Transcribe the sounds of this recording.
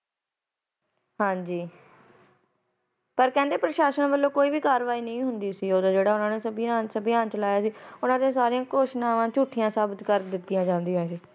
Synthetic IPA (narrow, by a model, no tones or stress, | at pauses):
ɦãːɲd͡ʒiː | pəɾkɛ̃ːnd̪eːpɾəʃaːʃənbəlːõːkoːiːbiːkaːɾʋaːiːnəĩːɦʊnd̪iːsiːoːd̪aːd͡ʒeːɽaːʊnãːneːsəbɪjãːnsəbɪjãːnt͡ʃəlaːjaːsiːʊnãːd̪ẽãːsaːɾiãːkoːʃnaːʋãːt͡ʃuːʈʰɪjãːsaːbɪt̪kəɾd̪ɪt̪ːijãːd͡ʒãːnd̪iãːs̬iː